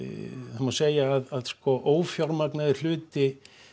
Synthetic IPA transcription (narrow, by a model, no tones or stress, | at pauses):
θamaseːjaːðaðskɔʔoːwfjɔwɾmaknaðɪɾ̥l̥ʏːt̪ɪ